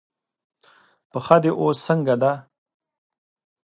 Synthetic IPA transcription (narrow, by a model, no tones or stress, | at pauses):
pəxad̪eʔosːəŋɡad̪a